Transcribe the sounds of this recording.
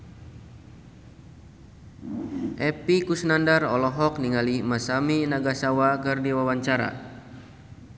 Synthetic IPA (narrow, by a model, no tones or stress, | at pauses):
ʔɛpikusənandarɔ̰lɔɦɔk̚niŋalimasaminaɡasawakɨrdiwawaɲt͡ʃaɾa̰